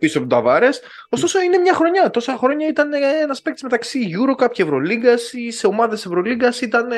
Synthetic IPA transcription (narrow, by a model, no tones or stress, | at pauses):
pisoɐpt̪ot̪ɐvɐɾe̞s | ost̪o̞so̞ine̞mɲɐxɾo̞ɲɐt̪o̞sɐxɾo̞ɲɐit̪ɐnenɐspekt̪i̥zme̞t̪ɐksiʝuɾo̞kɐpcevɾo̞liɡɐsise̞o̞mɐðese̞vɾo̞liɡɐsit̪ɐn